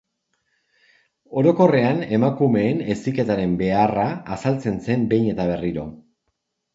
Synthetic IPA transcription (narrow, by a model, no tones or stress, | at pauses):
o̞ɾo̞ko̞re̞ane̞makume̞ːne̞sike̞t̪aɾe̞mbe̞araːsalt͡se̞nse̞mbe̞jɲe̞t̪aβ̞e̞riɾo̞̰